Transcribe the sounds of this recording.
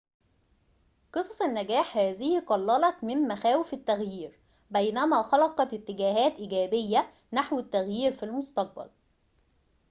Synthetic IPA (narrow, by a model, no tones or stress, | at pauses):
qɨsˤɑsˤanːæɡæːħhæːzɪhqɑlːɑlɑt̪mɪmmæxæːwɪfɪt̪ːæɣjiːɾ | bæjnæmæːxɑlɑqɑt̪ɪt̪ːɪɡæːɦæːt̪ʔɪɡæːbɪjːæ | naħwɪt̪ːæɣjiːɾfilmʊst̪ɑq̚bæ̰l